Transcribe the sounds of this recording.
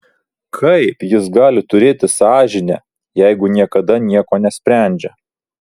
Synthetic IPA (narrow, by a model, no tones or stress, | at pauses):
kʰɐɪpjɪsɡɑːlʲɪt̪ʊɾʲeːt̪ʲɪsɑːʒʲɪnʲɛ | jɛɪɡʊnʲiɛkɐd̪ɐnʲiɛkoːnʲɛsʲpʲɾʲæˑnʲd͡ʒʲɛ